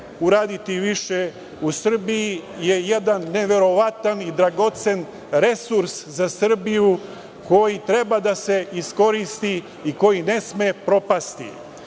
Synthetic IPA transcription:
uɾaːd̪it̪iʋiʃe | usr̩bijije̞je̞d̪anːe̞ʋe̞ɾo̞ʋat̪anid̪ɾaɡo̞t̪se̞n | ɾe̞suɾszasr̩biju | ko̞jit̪ɾe̞bad̪ase̞isko̞ɾist̪i | iko̞jine̞smepɾo̞past̪ḭ

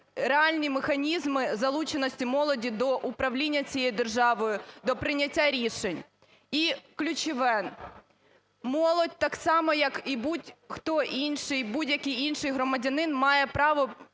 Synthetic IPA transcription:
reɑlʲnʲimexɐnʲizmɪzɐlˠut͡ʃenɔsʲtʲimɔlˠɔdʲid̪ɔʔʊpɾɐwlʲinʲːɐt͡sʲijɛjid̪erʒɑʋɔjʊd̪ɔpɾɪnʲɐtʲːaɾʲiʃenʲ | iklʲʊt͡ʃɪʋɛn | mɔlˠɔdʲt̪ɑksɑmɔjɐkibudʲxt̪ɔʔinʃɪjbudʲjɐkʲɨjinʃɪjɦɾɔmɐdʲɐnɪnmɑjɛpɾɑʋɔ

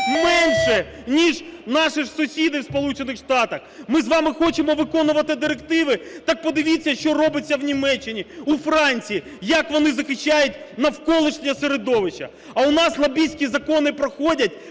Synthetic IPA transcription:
mɛnʃɛnʲiʒnɑʃɪsʊsʲid̪ɪwspɔlˠut͡ʃenɪxʂt̪ɑt̪ɐxmɪzʋɑmɪxɔt͡ʃɪmɔʋɪkɔnʊʋɐt̪ɪd̪ɪɾekt̪ɪʋɪt̪ɑk̚pɔd̪ɪʋʲit͡sʲːɐʃt͡ʃɔɾɔbɪt͡sʲːɐwnʲimɛt͡ʃːɪnʲiufɾɑnʲt͡sʲiji | jɐkʋɔnɪzɐxɪʃːajʊtʲnɐwkɔlˠɪʃnʲɐseɾed̪ɔʋɪt͡ʃːɐ̰ | ɐʊnɑslˠɐbʲisʲkʲizɐkɔnɪpɾɔxɔdʲɐt̚ʲ

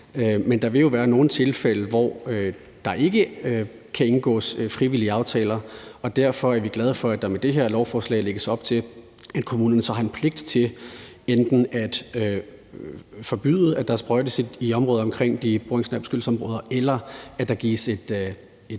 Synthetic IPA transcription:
mend̥ɑ̈ʋe̝ljo̝ʋæːɐno̝ːn̩t͡sʰe̝lfeləʋɒ̰ø | d̥ɑ̈ʔe̝ɡ̥ə | kʰæe̝nɡ̥ɔ̰ːsfʁiʋiliəɑ̈ʊt͡sʰɛ̰ːlɐɒ̽d̥æɐ̰fɒ̽æɐʋiɡ̥lɛð̞ˠfɒ̽æd̥ɑ̈med̥e̝ɦeɐlɒʊfɒːslɛ̰ɪleɡ̥əsɒ̽b̥t͡sʰe̝l | æd̥̚kʰo̝muːnɐnəsɒ̽hɑ̈e̝npʰle̝ɡ̥̚d̥t͡sʰe̝ | end̥n̩æd̥ø | fɒ̽b̥y̰ðˠəæd̥æɐsb̥ʁɒɪd̥əsid̥iɒ̽mʁɔ̽ːðˠɒ̽mkʰʁeŋ̰d̥ib̥oːeŋsnæb̥ə̥sɡ̥yl̩sɒ̽mʁɔ̽ːð̞ˠɐʔelɐæ̥ɑ̈ɡ̥ḭːsed̥ | e̥

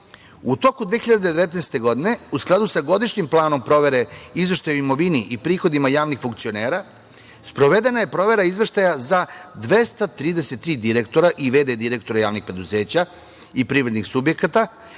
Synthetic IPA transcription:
ut̪o̞kud̪ʋexiʎad̪ed̪eʋet̪neːst̪e̞ɡo̞d̪ine̞usklˠad̪usaɡo̞d̪iʃɲimplˠaːno̞mpɾo̞ʋe̞ɾe̞izʋe̞ʃt̪ajuimo̞ʋiniʔipɾiːxo̞d̪imajaːʋnixfuŋkt̪sio̞ne̞ːɾa | spɾo̞ʋed̪e̞naje̞pɾo̞ʋe̞ɾaizʋeʃt̪ajazad̪ʋe̞st̪at̪ɾiːd̪ese̞t̪ːɾiːd̪iɾe̞kt̪o̞ɾaʔiʋe̞ːd̪ed̪iɾe̞kt̪o̞ɾajaːʋnixpɾe̞d̪uze̞ːt͡ɕa | ipɾiːʋɾe̞d̪nixsubje̞kat̪a

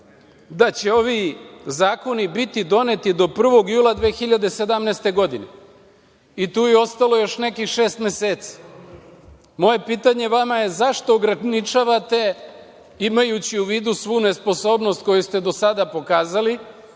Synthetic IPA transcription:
d̪at͡ɕe̞o̞ʋizaːko̞nibit̪id̪o̞ne̞t̪id̪o̞pr̩ʋo̞ɡjuːlˠad̪ʋeːxiʎad̪ese̞d̪amnest̪e̞ɡo̞d̪ine̞ | it̪uːjeo̞st̪alo̞jo̞ʃne̞kixʃe̞ːst̪me̞seːt̪si̥ | mo̞je̞piːt̪aɲe̞ʋamaje̞zaʃt̪o̞ːɡɾanit͡ʃaʋat̪e̞ | imajut͡ɕiuʋiːd̪usʋuːne̞spo̞so̞ːbno̞st̪̚ko̞just̪e̞d̪o̞sad̪apo̞kaːzali

